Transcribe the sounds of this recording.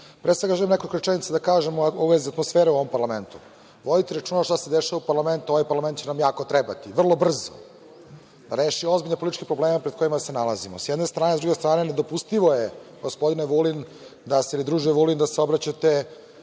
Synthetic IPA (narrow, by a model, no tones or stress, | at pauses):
pɾesʋe̞ɡaʒelimnekolʲikoɾet͡ʃenit̪sad̪akaːʒemuoʋeziat̪mosfeːɾeuoʋo̞mpaɾlame̞nt̪u | ʋo̞d̪it̪iɾat͡ʃuːnaʃt̪ase̞d̪eʃaʋaupaɾlˠame̞nt̪uo̞ʋajpaɾlament̪t͡ɕenamjaːkot̪ɾeba̰t̪iʋr̩lˠo̞br̩zo̰ | d̪aɾeːʃio̞zbiʎnepoit̪it͡ʃkepɾobleːmepɾed̪̚ko̞imasenalazimo̰sjɛd̪ne̞st̪ɾaːnezɾuɡe̞st̪ɾaːne̞ned̪o̞pust̪iʋojeɡospo̞d̪ineʋulin | d̪aseilid̪ɾuːʒieʋulind̪aseo̞bɾat͡ɕat̪e